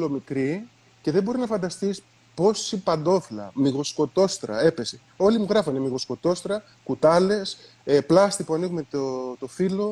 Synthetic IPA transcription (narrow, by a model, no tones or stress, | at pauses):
lomikɾi | ce̞ðebo̞ɾinɐfɐnd̪ɐst̪is | po̞sipɐnd̪o̞flɐ̰miɣo̞sko̞t̪o̞st̪ɾɐ̰e̞pe̞se | o̞limuɣɾɐfunemiɣo̞sko̞t̪o̞st̪ɾɐ | kut̪ɐle̞s | eplɐst̪ipuɐniɣumet̪ot̪o̞filo̞